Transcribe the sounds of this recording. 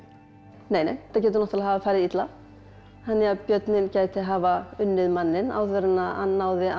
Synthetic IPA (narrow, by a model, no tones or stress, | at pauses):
neːjnḛjθacɛːt̪ʏɾnɔht̪alaɦaːvafaːjɾɪɾit̪la | hanːɛɣapjœt̪nɪncaːjt̪ɪɦaːvaʏnːɪðmanːɪna̰wθvœɾɪnaa̰nːawðɪa